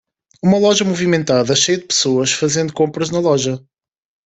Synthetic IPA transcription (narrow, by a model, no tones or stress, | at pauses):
umɐlˠɔʒɐmuvimẽnt̪aðɐʃejɐd̪ɨpɨ̥soɐʃfɐzẽnd̪ukõmpɾɐʒnɐlˠɔʒɐ